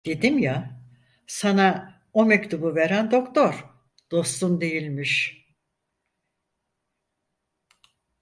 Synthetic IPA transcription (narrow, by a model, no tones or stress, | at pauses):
d̪̥e̞d̪imja | sana | omect̪ʰubuveɾænd̪o̞kt̪ʰoɾ̥ | d̪̥o̞st̪und̪e̞jilʲmiʃ